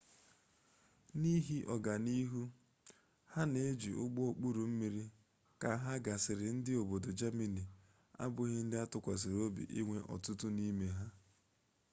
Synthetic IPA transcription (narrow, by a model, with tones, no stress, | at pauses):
ni˦ɦi˦ʔɔ˨ɡa˨ni˦ɦu˦ | ha˦ne˦e˦d͡ʒi˨ʔʊ˦ɡ͡bo˦o˨k͡pu˦ɾu˨m̩˦mi˦ɾi˦ | ka˨˦ɦa˦ɡa˨sɪ˨ɾɪ˨n̩˦dɪ˦o˨bo˨do˨d͡ʒa˦me˨ni˨ | a̰˦bʊ˦ɣɪ˦n̩˦dɪ˦a˦tʊ˨kʷa˨s̬ɪ˨ɾo˦bḭ˨ʔi˦ŋʷe˦ʔɔ̰˨tʊ˦tʊ˦ni˦me˨ɦa˦